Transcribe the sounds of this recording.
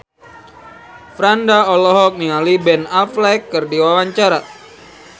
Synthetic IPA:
fɾandaɔlɔɦɔk̚nialibɛnaflɛkːərdiwawaɲt͡ʃaɾa

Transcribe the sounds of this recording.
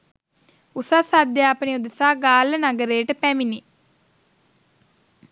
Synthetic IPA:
usasad̪jaɐpəniud̪əsaːɡaːlənɐɡəɾeːʈəpɛmini

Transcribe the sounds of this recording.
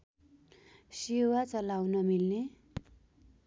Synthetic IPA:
sewat͡sʌlawnʌmilne

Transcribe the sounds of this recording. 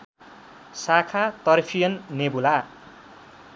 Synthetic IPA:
sakʰat̪ʌrpʰijʌnːebula

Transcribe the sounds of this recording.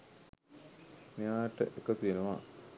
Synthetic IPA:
mejaːʈə̰ʔekət̪uenuʋa

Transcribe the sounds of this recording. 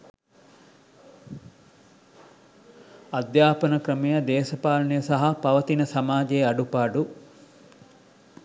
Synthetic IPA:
ɐd̪jaːpɐnɐkɾɐmijɐd̪eːsɐpaːlɐnijɐsɐɦɐpɐʋɐt̪inɐsɐmaːd͡ʒeːɐɖupaːɖu

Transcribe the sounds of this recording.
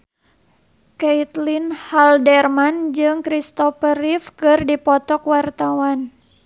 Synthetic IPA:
kɛit̪linhaldɛrmand͡ʒɨŋkɾist̪ɔfəɾifkɨrdipɔt̪ɔkwart̪awan

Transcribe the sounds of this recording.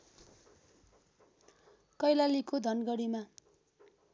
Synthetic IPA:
kʌjlalikod̪ʱʌnɡʌɽima

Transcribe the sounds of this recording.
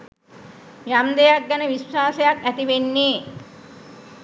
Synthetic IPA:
jamd̪ejak̚ɡænəʋiswaːsəjakæt̪iʋenːeː

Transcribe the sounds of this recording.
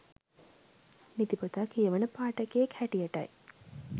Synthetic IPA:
nit̪ipot̪akeʋənəpaːʈəkeekhæʈijaʈɐ̰j

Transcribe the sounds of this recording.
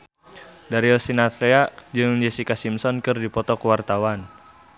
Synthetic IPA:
daɾiɔsinat̪ɛad͡ʒɨŋd͡ʒɛsikasimsɔnkɨrdipɔt̪ɔkuwart̪awan

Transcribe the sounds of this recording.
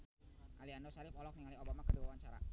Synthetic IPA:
ʔaliandosaɾɪfɔlɔk̚niŋaliobamakəduwawaɲt͡ʃaɾa̰

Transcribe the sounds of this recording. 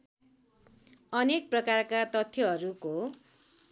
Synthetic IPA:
ʌnek̚prʌkarkat̪ʌt̪ʰːjʌɦʌɾuko

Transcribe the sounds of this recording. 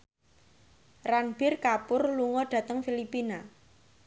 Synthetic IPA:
ranb̥ɪrkapʊrluŋɔɖ̥ä̤t̪əŋfilipina

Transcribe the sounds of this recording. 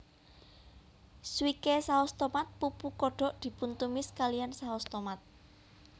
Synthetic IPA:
swikesaɔst̪ɔmat̪̚pupukɔɖ̥ɔ̤ʔd̪̥i̤punt̪umɪskalijansaɔst̪ɔmat̪̚

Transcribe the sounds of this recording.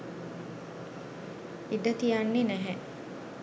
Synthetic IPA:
iɖɐt̪ijanːinæɦɛ

